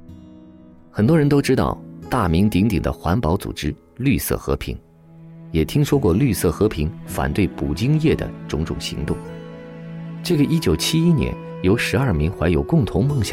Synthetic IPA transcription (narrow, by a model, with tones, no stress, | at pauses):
xə˨˩nt̪wɔ˥ɻə˧˥nt̪o˥ʊʈ͡ʂɻ̩˥t̪ɑ̰˥˧ʊt̪a˥˩mi˧˥ŋt̪i˧˥ŋt̪i˨˩ŋd̪ə̰˦xwa˧˥npɑ˧˥ʊt͡sṵ˨˩ʈ͡ʂɻ̩˥ | ly˥˧sɤ̰˥˩xɤ̰˧˥pʰḭ˧˥ŋ | jɛ˨˩t̪ʰi˥ŋʂwɔ˥kwɔ˥˧ly˥˧sɤ˥˩xɤ˧˥pʰi˧˥ŋfa̰˨˩nt̪we˥˩ɪpu˨˩t͡ɕi˥ŋjɛ˥˩d̪ə̰˩ʈ͡ʂʊ˧˥ŋʈ͡ʂʊ̰˨˩ŋɕḭ˧˥ŋt̪ʊ˥˩ŋ | ʈ͡ʂɤ˥˩ɡə˩ʔi˥t͡ɕjo˨˩ʊt͡ɕʰi˥i˥njɛ̰˧˥n | jo˧˥ʊʂɻ̩˧˥ɐ˞˥˩mi˧˥ŋxwa˧˥ɪjo˨˩ʊkʊ˥˩ŋt̪ʰʊ˧˥ŋmɤ˥˩ŋɕjɑ˨˩